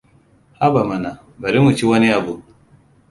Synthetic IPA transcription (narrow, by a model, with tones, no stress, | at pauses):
ha˦ba˨ma˨na˨ | ba˨ɾi˦mu˨t͡ʃi˦wɐ˦ni˦ʔa˨bu˦